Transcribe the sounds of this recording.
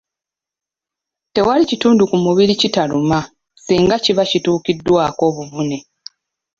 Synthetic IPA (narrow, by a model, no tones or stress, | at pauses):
te̞walicituːndukumuβilicitaluma | siːŋɡaciβacituːkidːwaːko̞ːβuvune̞